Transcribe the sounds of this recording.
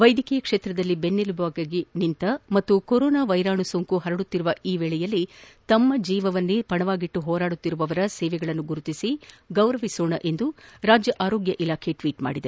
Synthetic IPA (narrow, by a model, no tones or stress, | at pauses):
ʋɐjd̪ʱikɛjɐkʂeːt̪ɾɐd̪ɐlːibenːilubaːɡɐɡenint̪ɐmɐt̪ːukoɾɔːnaːʋɐjɾaːɳusoŋkuɦɐɾɐɽut̪ːiɾuʋɐiːʋɛːɭɛjɐlːit̪ɐmːɐd͡ʒiːʋɐʋɐnːepɐɳɐʋaːɡiʈːuɦɔːɾaːɽut̪ːiɾuʋɐʋɐɾɐsɛːʋɛɡɐɭɐnːuɡuɾut̪isiɡɐwɾɐʋisoːɳɐʔe̞nd̪uɾaːd͡ʒjɐʔaːɾoːɡjɐʔilaːkʰe̞ʈʋiːʈma̰ːɽid̪e